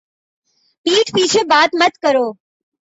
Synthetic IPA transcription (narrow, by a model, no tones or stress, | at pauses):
piːʈpiːt͡ʃʰebaːt̪mət̪kəɾoː